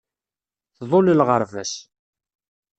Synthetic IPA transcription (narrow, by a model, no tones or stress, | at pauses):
θðˤolilʁəɾˤvæs